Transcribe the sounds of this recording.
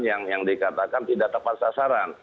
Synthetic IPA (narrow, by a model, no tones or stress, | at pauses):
njaŋjaŋdikat̪akant̪idak̚t̪əpat̪̚sasaɾan